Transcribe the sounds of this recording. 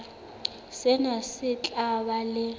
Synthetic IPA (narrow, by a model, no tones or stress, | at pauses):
sɪnasɪt͡ɬʼabalɪ